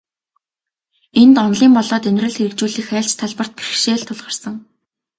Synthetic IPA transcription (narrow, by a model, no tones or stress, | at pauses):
ent̪ɔnɮiːmpɔɮɔːt̪ɵnʲrɘ̆ɮxeɾɘ̆kt͡ɕuːɮiːxæːɬt͡ɕt̪ʰaɮpə̆r̥t̪̚pirxʃeːɮt̪ʰʊɮʁə̆rsə̆ŋ